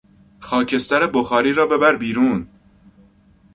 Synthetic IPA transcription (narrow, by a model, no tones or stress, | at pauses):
xɒːcʰe̞st̪æɾeboxɒːɾiːɾɒːbe̞bæɾbiːɾuːn